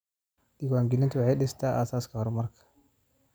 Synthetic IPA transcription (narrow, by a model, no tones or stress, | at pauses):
ɗiwaːŋɡɪlɪnt̪ʊwɑħɑjɗɪst̪ʰaːʔaːsaːskʰɐhɔrmɐrkʰɐ̥